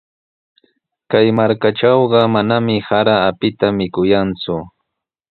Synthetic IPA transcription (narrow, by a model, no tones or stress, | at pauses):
kajmaɾkaʈ͡ʂɑwɢɑmanamɪhaɾaːpɪt̪amɪkʊjant͡sʊ